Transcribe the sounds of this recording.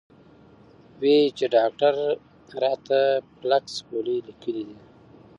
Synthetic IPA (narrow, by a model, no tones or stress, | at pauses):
wet͡ʃeɖɑk̚ʈaɾ | ɾɑt̪aplakskolilikəlid̪i